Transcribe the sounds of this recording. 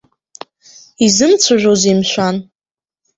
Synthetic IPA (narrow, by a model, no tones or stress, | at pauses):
izɨmt͡sʷʰaʒᶣʷozimʃʷan